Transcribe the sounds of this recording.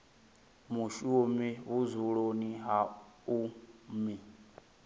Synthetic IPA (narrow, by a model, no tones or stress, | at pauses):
muʃumiβuzuɺoniɦaumi